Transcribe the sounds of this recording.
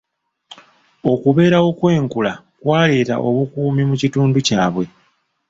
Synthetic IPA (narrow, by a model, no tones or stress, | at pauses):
o̞kuβe̞ːɾawo̞kwe̞ːŋkula | kwaːle̞ːta̰ʔo̞̰βukuːmimucituːnducaːβwe̞